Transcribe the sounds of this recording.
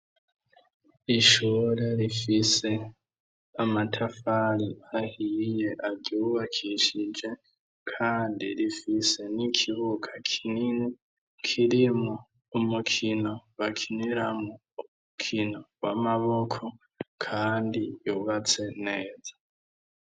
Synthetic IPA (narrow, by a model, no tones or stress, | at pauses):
iʃuːɾeɾifise̞ | amatʰafaɾiahije̞ʔaɟuβakʰiʃid͡ʒe̞ | kʰaːndiɾifise̞nikʰiβukʰḁkʰinini | kʰiɾimo | umukʰino̞βakʰiniɾamoːmukʰino̞wamaβo̞kʰo̞ | kʰaːndijuβat͡se̞ne̞ːzḁ